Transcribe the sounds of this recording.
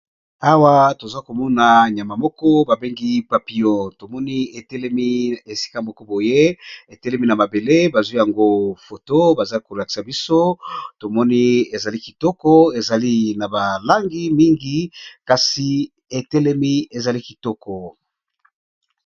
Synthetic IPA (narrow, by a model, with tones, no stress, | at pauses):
a˦wa˦to˨za˦ko˨mɔ˦na˨ɲ˨a˨ma˨mɔ˦kɔ˦ba˨be˦ŋɡi˦pa˨pi˨jɔ̃˦˨to˨mɔ˦ni˦e˨tɛ˦lɛ˦mi˦e˨si̥˦ka˦mɔ˦kɔ˦bo˨je˦e˨tɛ˦lɛ˦mi˦na˨ma˨be˨le˦ba˨zwi˦ja˨ŋɡo˦fo˨to˦ba˨za˦ko˨ʁa˨ki̥˨sa˨bi˦so˦to˨mɔ˦ni˦e˨za˨li˦ki˨tɔ˦kɔ˦e˨za˨li˦na˨ba˨la˦ŋɡi˦mi˦ŋɡi˦ka˨si˨ | e˨tɛ˦lɛ˦mi˦e˨za˨li˦ki˨tɔ˦kɔ˨